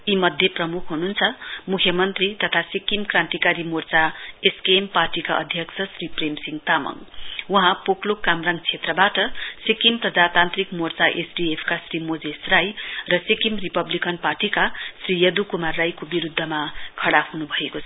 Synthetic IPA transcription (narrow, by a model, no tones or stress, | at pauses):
imʌd̪ʱjʌprʌmukʰɦununt͡sʰʌmukʰjʌmʌnt̪rit̪ʌt̪ʰasikimkrãnt̪ikaɾimort͡saeskeemparʈikaʔʌ̰d̪ʱjʌksʰʌsripremsiŋɡt̪amʌ̰ŋwuɦãpoklokamraŋt͡sʰet̪rʌbaʈʌsikimprʌd͡zat̪ant̪rikmort͡saʔesɖiepʰkasrimod͡zesrajrʌsikimripʌblikʌnparʈikasrijʌd̪ukumarːajkobiɾud̪ʱːʌmakʰʌɽaɦunubʱʌekot͡sʰʌ